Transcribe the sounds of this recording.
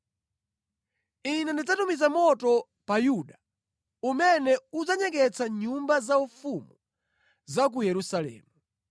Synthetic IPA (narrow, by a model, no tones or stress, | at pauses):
inɛndid͡zatumizamɔtɔ | pajuɗa | umɛnɛud͡zaɲɛkɛt͡sʰaɲumbazaufumu | zak̬ujɛɾusalɛ̰ːmu